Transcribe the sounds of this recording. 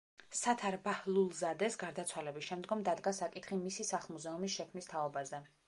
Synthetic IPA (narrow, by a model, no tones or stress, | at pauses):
sat̪ʰaɾbahlˠulˠzad̪ɛsɡaɾd̪at̪sʰwalɛbisʃɛmd̪ɡɔmd̪ad̪ɡasakʼit̪ʰχimisisaχlˠmuzɛumisʃɛkʰmnist̪ʰaɔbazɛ